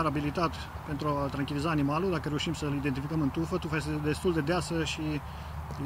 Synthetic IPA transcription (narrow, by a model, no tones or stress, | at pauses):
ɾabilit̪at̪ | pe̞nt̪ɾuat̪ɾaŋkʲilizaːnimalud̪akəɾe̞uʃimsəɨlid̪ent̪ifikəmɨnt̪ufət̪ufad̪e̞st̪uld̪e̞d̪easəʃi | l